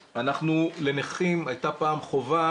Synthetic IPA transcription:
anaχnule̞neχimajt̪apaːmχo̞va

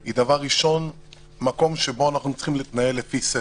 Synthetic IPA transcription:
id̪avaʁːiʃo̞n | mako̞mʃebo̞anaχnut͡sχimleiːt̪nae̞lːefise

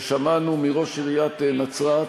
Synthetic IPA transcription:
ʃamanumiʁo̞ʃiʁijat̪nat͡sʁa

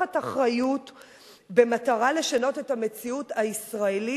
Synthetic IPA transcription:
ataχʁajut | be̞mataʁale̞ʃano̞te̞thame̞t͡siutaisʁaeli

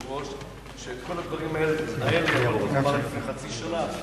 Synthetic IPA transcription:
ʁoʃ | ʃeːt̪ko̞lad̪vaʁimae̞lezitnaeleolmaʁifneχat͡siʃana

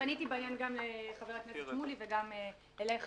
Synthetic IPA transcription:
anitibaːjanɡamleχaveʁatknessemuliveɡam | eleχ

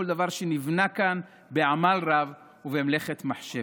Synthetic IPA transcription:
old̪avaʁʃenivnakan | beʕamalʁav | uvemle̞χe̞t̪maħʃe

